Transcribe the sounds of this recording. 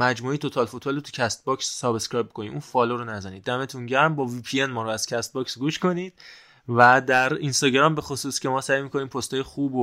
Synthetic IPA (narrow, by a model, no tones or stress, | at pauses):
mæd͡ʒmuːejet̪ʰo̞t̪ʰɒlfot̪ʰbɒːlot̪ʰu̥cʰæst̪̚bɒksːɒːbeskɾɒjbikʰoniːmunfɒːloɾonæzæniːd̪ːæme̞t̪ʰunɟæɾmbɒːviːpʰienmɒːɾoæz̥cʰæst̪̚bɒksɡuːʃko̞niːd̪̥̚ | væd̪æɾinst̪ɒːɟɾɒmbe̞xosuːscʰe̞mɒːsæjmiːkʰo̞niːmpʰost̪ʰɒːjexuːbo